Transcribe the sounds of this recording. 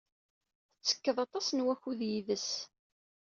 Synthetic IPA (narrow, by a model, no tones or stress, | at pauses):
θət͡sːə̥kːəðˤɑt̪ˤɑsnwæçuðjiðəs